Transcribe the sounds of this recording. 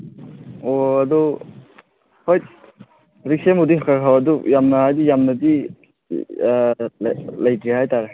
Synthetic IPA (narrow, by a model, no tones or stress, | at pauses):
oɐdu | hoj | ɾik̚semudiɦakʰaɾkʰawɐdujamnɐhajdijamnɐdi | llɐjtɾihajtaɾe